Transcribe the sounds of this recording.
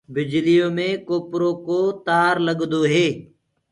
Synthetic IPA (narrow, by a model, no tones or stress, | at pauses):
bɪd͡ʒlijoːmẽːkoːpɾoːkoːt̪aːɾləɠd̪oːɦeː